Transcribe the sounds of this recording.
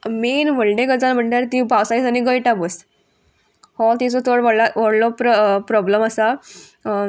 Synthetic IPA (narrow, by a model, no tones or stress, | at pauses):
menʋəɭɖẽɡət͡sanm̤əɳʈjaɾt̪ibawsajd͡zaniɡəjʈabəs | hɔt̪it͡sɔt̪ʰoɽʋəɽlaʋəɽlɔpɾɔpɾɔbləmasa